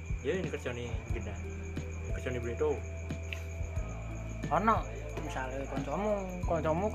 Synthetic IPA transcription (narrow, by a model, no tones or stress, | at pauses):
jənkərt͡ʃɔniɡina | nkərt͡ʃɔnibuleʔt̪o | ɔnɔʔ | misalekɔɲt͡ʃɔmu | kɔɲt͡ʃɔmu